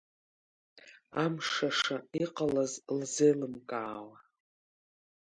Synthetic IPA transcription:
amʂaʂaiqʼalazlzelɨmkʼaːwa

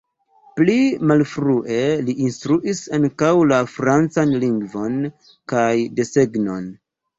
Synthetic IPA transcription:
plimalfɾuʔe̞liʔːnstɾuʔisaŋkawlafɾant͡sanliŋɡvo̞n | kajde̞se̞ɡno̞n

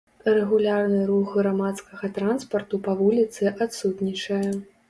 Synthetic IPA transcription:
rɛɣulʲarnɨɾuɣɣɾamat̪skɐɣɐt̪ɾanspɐrt̪upɐvulʲit̪sɨʔat̪sut̪nʲit͡ʂɐjɛ

